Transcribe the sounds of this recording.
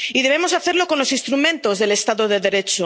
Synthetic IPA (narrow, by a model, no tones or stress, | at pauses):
iðe̞βemo̞saθe̞ɾlo̞ko̞nlo̞sinst̪ɾumẽ̞nt̪o̞zðe̞le̞st̪aðoðe̞ðe̞ɾe̞t͡ʃo